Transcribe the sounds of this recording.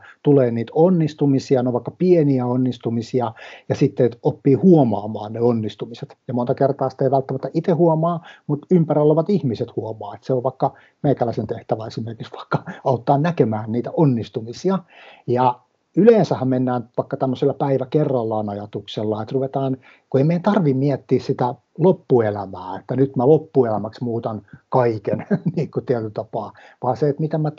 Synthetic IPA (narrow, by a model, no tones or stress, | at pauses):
t̪uleːniːt̪onːist̪umisiɑnoʋɑˑikːɑpieniæonːist̪umisiɑjɑsit̪ːeopːiːhuomɑːmɑːnneonːist̪umiset̪jɑmont̪ɑkert̪ɑːsi̥t̪eiʋælt̪ːæmæt̪ːæʔit̪ehuomɑːmut̪ympærilːoʋɑt̪ihmiset̪huomɑːet̪seoʋʋɑikːɑ | meikælːæsent̪eht̪æʋæesimerkiksʋɑ̥ikːɑɑut̪ːɑːnnækemæːnniːt̪æonːist̪umisiɑjɑ | yleːnsæhːæmmenːæːnʋɑikːɑt̪æmːøselːɑpæiʋækerːɑlːɑːnɑjɑt̪ukselːɑet̪ruʋet̪ɑːn | kueimeiænt̪ɑrʋimmiɛt̪ːiːssit̪æ | lopːuelæmæːet̪ːænyt̪mælopːuelæmæksmuːt̪ɑnkɑikenniːkːut̪iæt̪yt̪ɑpɑː | ʋɑːseet̪mit̪æmæ